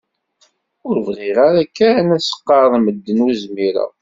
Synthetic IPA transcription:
ʊɾvʁiʁaɾækːænæsə̥qːɑðˤiməd̪ːənuzmiɾæ̰

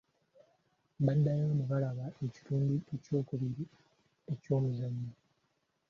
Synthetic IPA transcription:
badajoːmeβalaβaʔe̞ci̥tuːndiʔe̞co̞ːkuβiɾi | eco̞ːmuzaɲːi

